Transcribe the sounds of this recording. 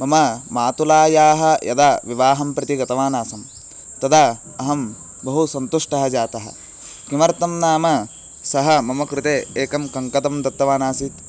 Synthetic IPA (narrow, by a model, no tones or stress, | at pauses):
mɐmɐmaːt̪ulaːjaːɦɐ̆jɐ̰d̪aːʋiʋaːɦɐmpɾɐt̪iɡɐt̪ɐʋaːnaːsɐm | t̪ɐd̪a | ɐɦɐm | bɐɦusɐnt̪uʂʈɐɦɐd͡ʒaːt̪ɐɦɐ̰ | kimɐɾt̪ɐmnaːmɐ | sɐɦɐmɐmɐkɾɪt̪eːeːkɐmkɐŋkɐd̪ɐmd̪ɐt̪ːɐʋaːnaːsit̪